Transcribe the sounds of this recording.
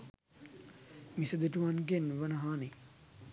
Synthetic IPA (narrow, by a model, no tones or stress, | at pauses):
misəd̪eʈuʋanɡenʋənɐɦaːne